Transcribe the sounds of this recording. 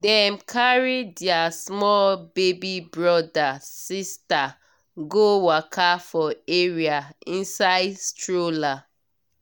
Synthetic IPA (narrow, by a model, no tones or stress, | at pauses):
dɛmkʰaɹidɪasmɔlbebibɹɔdasista | ɡowakʰafɔeɹiaĩnsaɪdstɹola